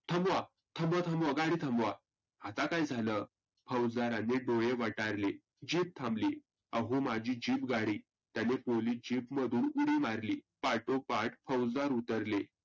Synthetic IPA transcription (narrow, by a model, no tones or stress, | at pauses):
t̪ʰəmʋa | t̪ʰəmbʋət̪ʰəmʋəɡaɽiːt̪ʰəmbʋa | at̪akajd͡zʱaləː | pʰəwd͡zd̪aɾanːeɖojeʋaʈaɾle | d͡ʑiːp̚t̪ʰãmbliː | əɦomad͡ʑiːd͡ʑiːpɡaɽiː | t̪janepoliːd͡ʑipməd̪ʱuːnuɽiːmaɾliːpaʈopaʈpʰəwd͡zd̪aɾut̪əɾle